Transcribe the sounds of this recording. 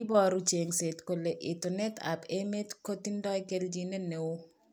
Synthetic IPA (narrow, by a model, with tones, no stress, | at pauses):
bɔ˦ɾu˦t͡ʃe˨ŋse˨tko˨le˨ʔɪ˨tonɛ˦ta̰pe˦me˦tko˦ti˦ndɔ˦ɛ˦ke˦ld͡ʒi˦ne˦ne˨o˦